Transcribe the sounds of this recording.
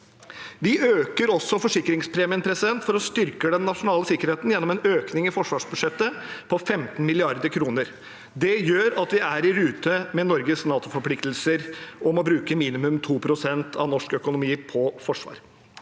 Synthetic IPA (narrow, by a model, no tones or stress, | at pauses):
ʋɪøːkəɾɔsːɔfɔʂɪkɾɪŋspʰɾɛːmɪːənpʰɾɛsɪd̪ɛnt̪fɔɾɔst̪ʏɾkəd̪ɛnːɑʂʊnɑːləsɪkəɾheːt̪n̩jɛnːɔmɛnøːknɪŋɪfɔʂʋɑːʂbʉd̪ʂɛt̪ːəpʰɔfɛmt̪n̩mɪlɪɑɾd̪əkʰɾuːnəɾ | d̪ɛjøːɾɑt̪ʋɪæɾɪɾʉːt̪əmɛnɔɾɡəsnɑːt̪ʊfɔɾpʰlɪkt̪lsəɾʔɔmɔbɾʉːkəmiːnɪmʉmt̪ʰuːpʰɾʊsɛnt̪ʰɑ̰ʋnɔʂkœkʊnʊmiːpʰɔfɔʂʋɑ̰ːɾ